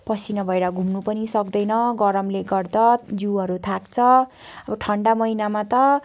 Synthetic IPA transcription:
pʌsinʌbʱʌeɾʌɡʱumnupʌnisʌkd̪ʌjnʌɡʌɾʌmleɡʌrd̪ʌd͡ziwɦʌɾut̪ʰakt͡sʰʌ | ʌbʌʈʰʌɳɖamʌinamat̪ʌ

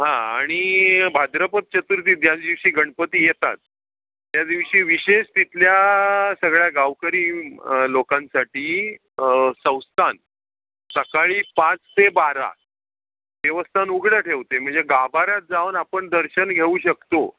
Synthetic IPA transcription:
ɦãaɽ̃ibʱad̪ɾəpət̪̚t͡ɕət̪uɾt̪iːd̪jad͡zd̪iʋɕiːɡʱəɳpət̪iːjet̪a̰t̪̚ː | jad̪iʋɕiːʋiɕeɕt̪it̪ljasəɡɭjaɡaʋkəɾiːlokãnsaʈiː | sə̃w̃st̪ʰan | səkaɭiːpãt͡st̪ebaɾa̰ | ʋeʋəst̪ʰanuɡɽəʈʰeʋt̪em̤əɳd͡zeɡabʱaɾat̪̚d͡zaʋənapəɳd̪əɾɕənɡʱeuːɕəkt̪o

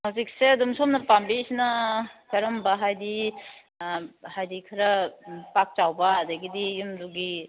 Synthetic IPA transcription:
mawzik̚seɐdumsɔmnɐpambisnakɐɾɔmbaɦajdi | hajdikʰɐɾɐpak̚t͡ʃawbaːdaɡidijumduɡi

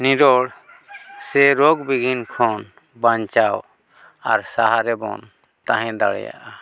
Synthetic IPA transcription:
niɾɔɽ | sɛɾɔɡbiɡʱinkʰɔn | baɲt͡ʃaw | aɾsaɦaɾɛbɔ̰n | t̪aɦɛ̃d̪aɽɛ̰ja̰ʔa

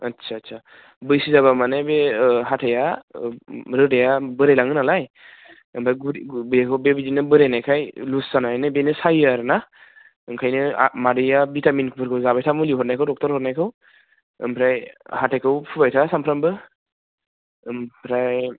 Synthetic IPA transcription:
ɐtsʰatsʰa | bɯjsizaβamanebeɦatʰaja | ɾɯdejabɯɾajlaŋɯnalaj | ɯmpʰɾajɡbɾekʰɯwbebizinɯbɯɾejnajkʰajluszanaanɯbenɯsajɯɾɯna | ɯŋkʰajnɯ̰madɯjabitaminkʰɯpʰɯɾkʰɯwzabajtʰamuliɦɔɾnajkʰɯwdɔk̚tɔɾhɔɾnajkʰɯw | ɯ̰mpʰɾajhatʰajkʰɯwpʰubajtʰasampʰɾambɯ | mpʰɾaj

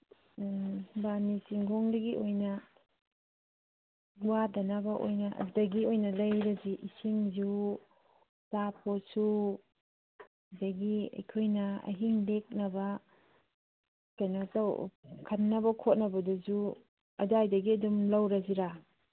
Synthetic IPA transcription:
banisiŋɡoŋdɐɡiʔojnɐ | wadɐnɐbɐʔo̰jnɐ̰dɐɡiojnɐlɐjɾɐziʔisiŋzu | saposu | dɐɡiɐ̰jkʰojnɐɐ̰ɦiŋlek̚nɐbɐ | kɐjnatawkʰɐnːɐbɐkʰot̚nɐbɐduzu | ɐdajdɐɡiɐdumlɐwɾɐziɾa

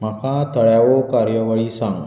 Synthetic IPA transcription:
məkʰat̪əɭjaʋokaɾjəʋəɭisãŋɡ

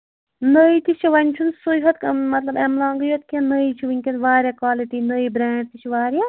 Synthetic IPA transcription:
nəit̪it͡ʃʰiʋɐnʲt͡ʃʰunsujɦɐt̪̚kmɐt̪lɐbemlaːŋɡɨjot̪̚kʲɐnəit͡ʃʰuʋinʲkʲɐnʋaːɾʲjakaːlit̪inəibɾɛ̃ːɖ̚t̪it͡ʃʰiʋaːɾja

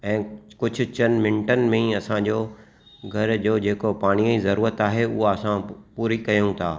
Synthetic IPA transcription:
ɛ̃ːkʊd͡ʑʱʊ̆t͡ɕɐnmɪ̃ɳʈənɪ̆mẽɐsãd͡ʑoː | ɡʱɐɾd͡ʑoːd͡ʑeːkopaːɽ̃iəizɐɾuːɾət̪aːɦeʊɦaɐsãpuːɾikɐjũt̪ʰa̰ː

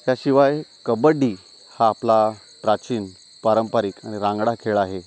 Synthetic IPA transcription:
jaɕiʋajkəbəɖiː | haːpla | ʈɾat͡ɕiːn | paɾəmpaɾikaɽ̃iɾãŋɡɽakʰeɭaɦe

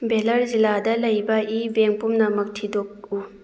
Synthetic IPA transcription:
belɐɾziladɐlɐjbɐʔibeŋpumnɐmɐk̚tʰidok̚u

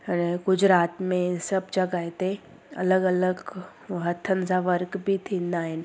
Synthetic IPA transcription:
əneɡʊd͡ʒɾaːt̪mẽsɐbd͡ʒɐɡaɦet̪e | ɐ̰ləɡɐləɡ | ɦət̪ʰːənsaʋəɾkbʱit̪ʰĩnd̪aːɦɪn

